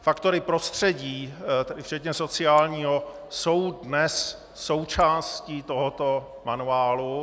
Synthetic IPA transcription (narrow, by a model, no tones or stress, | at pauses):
fakt̪o̞ɾɪpɾost̪r̝̥ɛɟiːt̪ɛdɪft͡ʃɛt̪ɲɛso̞t͡sɪaːlɲiːɦo | so̞wdnɛsː | o̞wt͡ʃaːsciːt̪oɦot̪o | manuaːlu